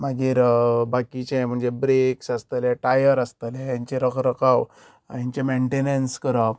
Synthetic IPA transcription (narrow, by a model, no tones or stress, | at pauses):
maɡiːɾbakit͡ɕem̤əɳd͡zebɾeksast̪əleʈajəɾast̪əlejaɲt͡ɕeɾəkʰɾəkaw | jaɲt͡ɕemeɳʈenenskəɾə